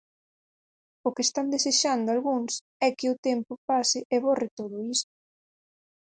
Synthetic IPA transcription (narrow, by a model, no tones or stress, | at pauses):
ʊkest̪and̪eseʃand̪ʊalɣuŋs | ɛkɪʊt̪ɛmpʊpasɪʔeβoret̪oðʊist̪ʊ̥